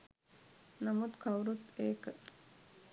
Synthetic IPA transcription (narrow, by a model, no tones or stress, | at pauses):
nɐmut̪kʰawɾut̪eːkə